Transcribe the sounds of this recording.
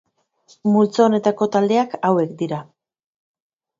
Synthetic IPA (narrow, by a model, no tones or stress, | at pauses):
mult͡saone̞t̪ako̞t̪ald̪e̞akawe̞kd̪iɾa